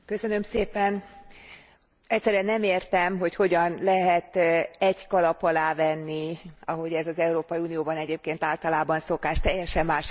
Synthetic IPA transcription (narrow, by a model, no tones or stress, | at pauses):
kø̞sø̞nø̞mseːpɛn | ɛcʲsːɛɾyɛnːɛmeːrt̪ɛmɦo̞cho̞ɟɒnlɛɦɛt̪ɛɟkɒlɒpɒlaːvɛnːiɒɦo̞ɟɛzɒzɛuɾoːpɒjiuːnijoːbɒnɛɟeːp̚keːnt̪aːlt̪ɒlaːbɒnso̞kaːʃt̪ɛjːɛʃɛmːaːʃ